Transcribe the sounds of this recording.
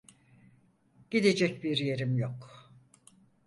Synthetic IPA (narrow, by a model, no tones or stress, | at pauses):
ɟ̥id̪ed͡ʒɛcbiɾje̞ɾimjok